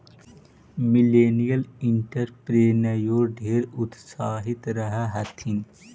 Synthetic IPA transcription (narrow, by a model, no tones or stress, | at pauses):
mɪleːnijəlɪɳʈəɾpɾeːnəjoːɖʱeːɾʊt̪saːɦɪt̪ɾəɦaɦɐt̪ʰin